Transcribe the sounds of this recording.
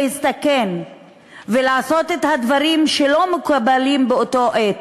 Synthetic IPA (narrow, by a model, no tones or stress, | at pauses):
hist̪aken | velaaso̞t̪et̪had̪vaʁimʃelo̞mekubalimbeoto̞ʔet̪